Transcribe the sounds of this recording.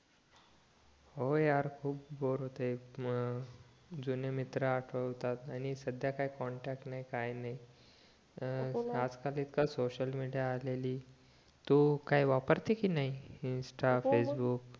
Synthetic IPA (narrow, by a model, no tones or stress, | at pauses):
hojaɾkʰuːp̚boɾɦot̪e | d͡zunemit̪ɾəaʈʰəʋt̪at̪añisəd̪jakaikɔɳʈak̚ʈnaikajnaɦi | ad͡zkaliːt̪kasoɕəlmiɽijaːleliː | t̪ukaɦiʋapəɾt̪ekinaɦiinsʈafesbuːk̚